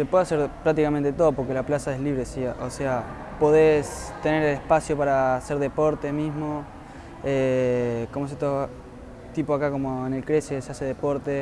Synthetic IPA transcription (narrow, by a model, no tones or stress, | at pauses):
sepweðase̞ɾpɾak̚t̪ikament̪et̪o̞ðopo̞ɾkelaplasaesliβɾesiʔose̞a | po̞ðest̪e̞ne̞ɾelehpasjo̞paɾase̞ɾðepo̞ɾt̪emizmo̞ | ekomoset̪o | t̪ipoakako̞moenelkɾe̞sesease̞ðepo̞ɾt̪e̞